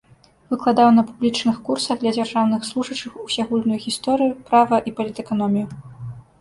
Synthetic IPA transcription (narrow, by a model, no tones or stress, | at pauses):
vɨklˠad̪awnɐpublʲit͡ʂnɨxkursɐɣd̪lʲɐd͡zʲarʐawnɨxslˠuʐɐt͡ʂɨxusʲaɣulʲnujuɣʲist̪ɔɾɨjupɾavɐʔipɐlʲit̪ɛkanɔmʲiju